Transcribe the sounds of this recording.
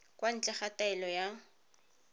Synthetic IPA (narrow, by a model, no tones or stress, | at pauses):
kwan̩t͡ɬʼɛχataɛlɔja